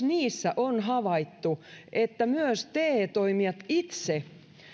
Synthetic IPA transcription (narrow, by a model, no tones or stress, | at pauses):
niːsːæʔonɦɑʋɑit̪ːuʔet̪ːæmyøst̪eːt̪oimiɑt̪it̪se